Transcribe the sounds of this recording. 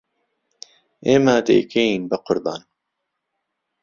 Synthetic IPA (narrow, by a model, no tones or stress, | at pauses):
eːmad̪ḛːkejiːnbəqʰʊɾb̪ɑːn